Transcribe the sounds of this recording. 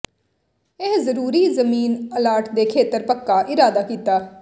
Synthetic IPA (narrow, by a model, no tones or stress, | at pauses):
ɪɦzəɾuːɾiːzəmiːnəlaːɾʈd̪eːkʰeːt̪əɾpəkːaːʔɪɾaːd̪aːkiːt̪aː